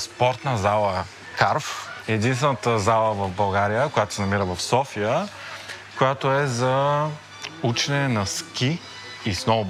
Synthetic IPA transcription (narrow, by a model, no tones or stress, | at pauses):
spɔɾt̪nəzalˠə | kaɾfɛd̪inst̪vɛnət̪əzalˠəvɐvbɐlˠɡaɾijəkojat̪o̥sɛnɐmiɾəvɐfsɔfijə | kojat̪oɛzɐ | ut͡ʃɛnɛnɐskʲiː | snɔvʊ